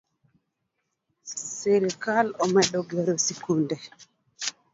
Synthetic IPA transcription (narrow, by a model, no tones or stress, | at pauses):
seɾikalɔmaɗɔɡɛɾɔsikundɛ